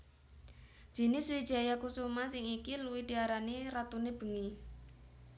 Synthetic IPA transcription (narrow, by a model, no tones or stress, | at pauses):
d̥ʒ̥i̤nɪswid̥ʒ̥a̤jakusumasɪŋikiluwid̪̥i̤aɾaniɾat̪uneb̥ə̤ŋi